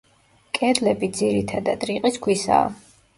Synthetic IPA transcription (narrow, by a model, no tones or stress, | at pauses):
kʼɛd̪lɛbid̪ziɾit̪ʰad̪ad̪ɾiqʼiskʰwisa̰ː